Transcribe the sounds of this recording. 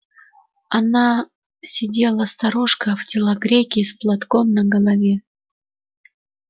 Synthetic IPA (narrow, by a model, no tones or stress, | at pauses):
ɐna | sʲɪdʲe̞lˠəst̪ɐɾuʂkəvtʲɪlˠaɡɾʲekʲɪsplˠɐt̪komnəɡəlˠɐvʲe